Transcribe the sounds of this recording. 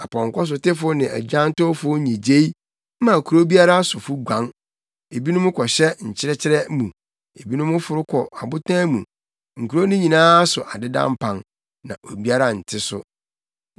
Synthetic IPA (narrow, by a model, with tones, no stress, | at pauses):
a˨pʰɔ̃˨ŋ˨kɔ˦s̬ʊ˨tɪ˦fʊ˦nɪ̃˨æ̰˨d͡ʑᶣã˦n˦tʊ˦fʊ˦ĩ˨d͡ʑe˦i˦ | mã˨kʰu˨ɾo˦bi˦a˦ɾa˦sʊ˨fʊ˦ɡʷã˨˦n | e˨bi˦nʊ̃˦mʊ̃˦kʰɔ˨ɕɛ˦ɲ̩˨t͡ɕʰɪ˦ɾɛ˦t͡ɕʰɪ˦ɾɛ˦mũ˨ | e˨bi˦nʊ̃˦mʊ̃˦fʊ˨ɾʊ˦kʰɔ˨a˨bʊ˦tʰã˦mũ˨ | ŋ̩˨kʰu˨ɾo˦nʊ̃˦ɲĩ˨nãː˦sʊ˨ʔa˨dɪ˦dã̰˦m˦pʰã˨n | nã̰˨ʔo˨bi˦a˦ɾa˦˨n̩˨tʰɪ˦sʊ̰˦